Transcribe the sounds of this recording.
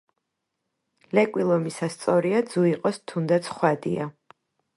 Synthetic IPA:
lɛkʼwilˠɔmisast̪sʼɔɾiad̪zuiqʼɔst̪ʰund̪at̪sʰχwad̪ia

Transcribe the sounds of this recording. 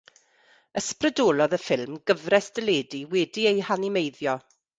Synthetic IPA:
əsprədoːlˠɔðəfɪlˠmɡəvrɛsd̥əleːdiwɛdiejhanɪmejðjɔ

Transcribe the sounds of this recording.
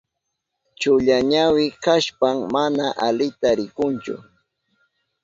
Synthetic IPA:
t͡ʃʊʎaɲawɪkaʃpammanaʔalɪt̪aɾɪkʊnt͡ʃʊ̰

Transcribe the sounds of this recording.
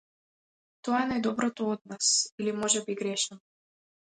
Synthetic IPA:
t̪oɑnojd̪obɾot̪oot̪̚nasilimoʒebiɡɾʲeʃnəm

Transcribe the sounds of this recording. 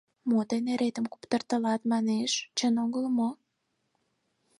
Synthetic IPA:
mot̪eneɾet̪əmkupt̪ərt̪əlɑt̪mɑneʃt͡ɕənoɣəlmo

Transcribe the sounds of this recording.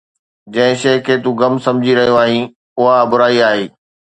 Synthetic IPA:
d͡ʑɐ̃ɦɪ̃ʃɐːkʰeːt̪ũːɡɐmsɐ̃md͡ʑʱiɾɐɦijoaːɦĩ | ʊɦaɐbʊɾaːiaːɦeː

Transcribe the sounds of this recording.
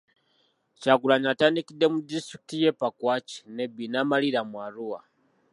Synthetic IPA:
t͡ʃakulaɲatanikidɛmudisuk̚tijɛpakwat͡ʃi̥nɛbinamaliɾamuaɾuwa̰

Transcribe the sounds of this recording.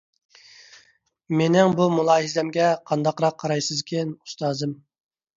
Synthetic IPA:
menɪŋbumulˠɑːɦizɛmɡʲɛqʰɑnd̪ɑqɾɑqʰːɑɾɑjsɨzkʲʰɛnu̥st̪ɑːzɨm

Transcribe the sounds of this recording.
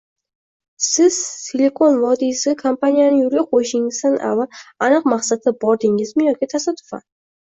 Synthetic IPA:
sɪz̥sʰeleko̞nvɒd̪isɪkʰampanijanɪjʊɾɡʲaqʰojɪʃɪŋɪzt̪anʔa̰valanɨqmaχsat̪ʰabɒɾd̪ɪŋɪzmɪjɒkʲɪt̪ʰasat̪ʰʊ̥fa̰n

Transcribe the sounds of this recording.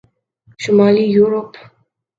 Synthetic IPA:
ʃumalijuɾop

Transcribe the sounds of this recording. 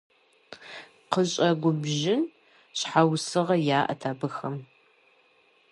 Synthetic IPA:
qəɕʼɐɡʷʊbʒɪn | ɕħawsɨʁɐjaːʔɐ̰tʰaːbɨxɐm

